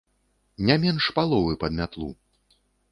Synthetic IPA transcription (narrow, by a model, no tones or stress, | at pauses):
nʲamʲɛnʂpalˠɔvɨpɐd̪mʲat̪lˠṵ